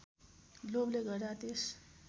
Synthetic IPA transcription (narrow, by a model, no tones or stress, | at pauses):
lobleɡʌrd̪at̪es